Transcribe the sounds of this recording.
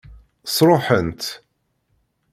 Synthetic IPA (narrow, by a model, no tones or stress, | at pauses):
sˤɾˤoħənt̪